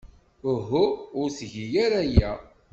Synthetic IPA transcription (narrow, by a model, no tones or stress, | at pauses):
ʊɦʊʊɾsʝijaɾæjæ